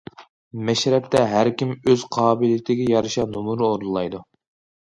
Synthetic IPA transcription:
mɛʃɾɛp̚t̪ʰɛɦæɾkʲimøz̥qʰɑːbɨlɪt̪ʰɪɡʲɛjɑɾɨʃɑnumuɾɨoɾnˠɨlˠɑjd̪u

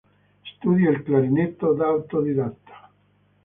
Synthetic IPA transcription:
st̪ud̪jailklaɾinet̪ːod̪awt̪od̪id̪at̪ːo̥

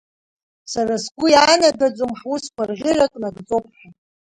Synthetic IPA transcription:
sarasɡʷʊjanadad͡zʷʼomħwuskʷʰarʁʲɪrakʼnaɡʼt͡sʼopʰʼħʷa

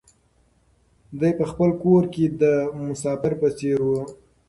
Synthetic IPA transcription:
d̪ajpəxpəlkoɾked̪əmʊsɑfɪɾpət͡seɾwu

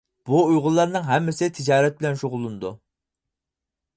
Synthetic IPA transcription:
b̥uujʁʊlˠːɑɾnɨŋɦɛmːɪsɪt̪ʰɪd͡ʒɑːɾɛt̪̚bɪlɛnʃoʁʊlˠunɨd̪u

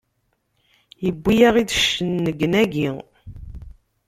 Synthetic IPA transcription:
jəbːijaʁid̪əʃənːəɡənæɡi

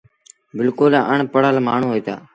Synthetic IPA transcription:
bɪlkʊlʔəɳ̃pəɽəːlmaːɳ̤ũːɦoːiːt̪a̰ː

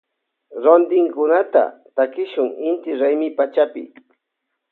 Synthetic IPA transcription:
ɾond̪ɪŋkʊnat̪a̰t̪akɪʃʊŋɪnt̪ɪɾajmɪpat͡ʃapɪ̰

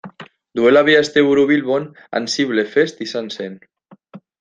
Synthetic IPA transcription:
d̪uelaβiaest̪euɾuβilβon | a̰nsiβlefest̪isansen

